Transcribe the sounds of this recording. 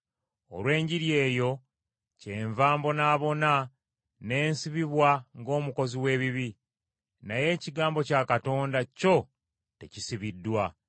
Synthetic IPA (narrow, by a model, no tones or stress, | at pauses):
o̰lwe̞ːɲɟiɾje̞ːjo̞ | ce̞ːɱvaːmbo̞naːβo̞na | ne̞ːnsiβiβwaŋɡo̞ːmuko̞ziwe̞ːβiβi | naje̞ːciɡaːmbo̞cakato̞ːndaco̞ | te̞̰cisiβidːwa